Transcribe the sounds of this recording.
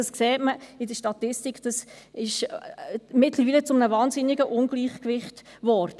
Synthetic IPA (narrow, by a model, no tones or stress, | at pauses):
ɑskseːtməɪdəʃtɑtɪstikd̥ɑs | ɪʃ | mɪtləɾviːlət͡sʊmənəvɑːnzɪnɪɡəʔʊnɡ̥liːχkvɪχt | ʋɔːɾd̥ə